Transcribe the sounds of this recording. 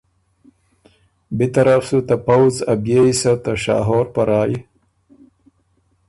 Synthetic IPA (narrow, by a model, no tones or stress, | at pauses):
bit̪ɐɾafsut̪apawzɐbjeisat̪aʂɑ̰ːɦoɾpaɾɑːji